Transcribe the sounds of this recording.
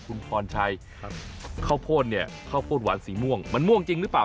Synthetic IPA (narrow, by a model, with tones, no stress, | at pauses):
kʰu˧npʰɔː˧nt͡ɕʰa˧j | kʰa˥˩wpʰoː˥˩t̪̚ni˧˥˩ɐ | kʰa˥˩wpʰoː˥˩t̪̚wa̰˩˦nsiː˩˦mu˥˩əŋma˧˥nmu˥˩əŋt͡ɕi˧ŋɾɯː˦˥paː˨˩